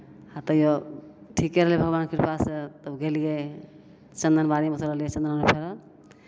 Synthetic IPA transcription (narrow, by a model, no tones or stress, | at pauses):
at̪ɔjoʈʰikːeɾəɦlibʱəɡbankiɾpʰaset̪əbɡelije | t͡ʃənd̪ənbaɾimesəɾəɦliet͡ʃənd̪ənmepʰeɾɔ